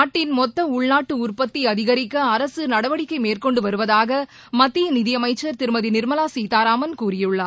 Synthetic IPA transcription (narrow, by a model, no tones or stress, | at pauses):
aːʈːɪnmɔt̪ːɐʊɭnaːʈːɯʊrpɐt̪ːiɐðɪɣɐɾɪkːɐːɐɾɐsɯnɐɽɐʋɐɽɪkːɐɪmeːrkɔɳɖɯʋɐɾɯʋɐðaːɣɐ | mɐt̪ːijɐnɪðɪjɐmɐɪt͡ʃːɐɾt̪ɪɾɯmɐðinɪɾmɐlaːsiːt̪aːɾaːmɐnkuːrɪjɯɭːɐ